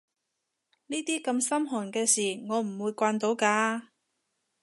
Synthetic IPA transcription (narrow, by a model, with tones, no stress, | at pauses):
niː˥t̪iː˥kɐ˧msɐ˥mɦɔː˨˩nkɛː˧siː˨˩ŋɔː˨˧m̩˨˩wuː˨˧jkʷaː˧nt̪o˨˥wkaː˧